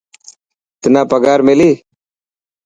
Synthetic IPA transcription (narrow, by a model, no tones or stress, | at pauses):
t̪ɪnãːpəɡaːɾmeliː